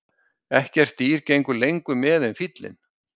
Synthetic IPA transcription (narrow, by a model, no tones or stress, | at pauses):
ɛhcɛr̥t̪iːɾcejŋkʏlejŋkʏmɛːðɛnfit̪lɪ̰n